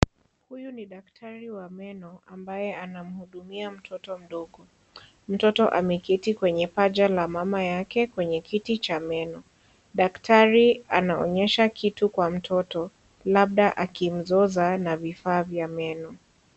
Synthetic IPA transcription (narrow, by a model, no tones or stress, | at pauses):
hujuniɗaktʰaɾiwamɛnɔambajɛanam̩huɗumiam̩tʰɔtɔm̩ɗɔɠɔ | m̩tɔtɔʔamɛkitikwɛɲɛpad͡ʒalamamajakɛkwɛɲɛkitit͡ʃamɛnɔ | ɗaktʰaɾianaɔ̰ɲɛʃakʰitukwam̩tʰɔtɔ | laɓ̚ɗaʔakim̩zɔzanavifaːvjamɛnɔ